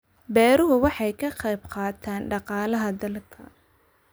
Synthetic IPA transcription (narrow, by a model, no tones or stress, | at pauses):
bɛːɾʊɦʊwɑħɑjkʰɐqɑjbqɑːt̪ʰaːnɖɑqɑːlɐɦɐd̪ɐlkʰɐ̰